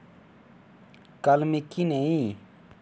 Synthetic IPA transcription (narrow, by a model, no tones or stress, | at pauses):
kalmikineĩ